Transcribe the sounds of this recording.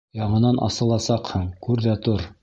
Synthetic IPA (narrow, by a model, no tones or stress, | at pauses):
jɑɴɤ̆nɑnʔɑ̰sɤ̆lˠɑsɑqhɤɴkʉɾðæt̪uɾ